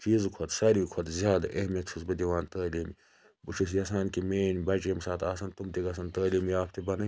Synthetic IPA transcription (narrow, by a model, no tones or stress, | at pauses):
t͡ʃiːzkʰɐt̪sɐɾikʰwɐt̪zʲjaːd̪ɐʔehmɐt̪sʰusbɐd̪iʋaːnt̪ɐːliːmi | but͡ʃʰus̬jɐsaːnkimeːnʲbɐt͡ʃemsaːt̪ʰaːsɐnt̪umt̪iɡɐs̬ɐnt̪ɐːliːmijaːpʰt̪ibɐnɐ